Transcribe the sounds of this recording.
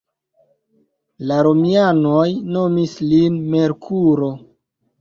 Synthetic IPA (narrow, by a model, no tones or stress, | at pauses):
laɾomiano̞jno̞mislinmeɾkʰuɾo̞